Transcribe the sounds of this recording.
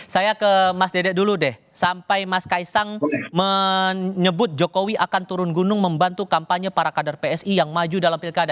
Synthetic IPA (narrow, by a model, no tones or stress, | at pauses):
sajakəmasdedɛʔ̚duludɛh | sampajmaskaisaŋmə | ɲəbʊt̪̚d͡ʒokowiakant̪uɾʊnɡunʊŋməmbant̪ukampaɲəpaɾakadarpeɛsijaŋmad͡ʒudalampilkada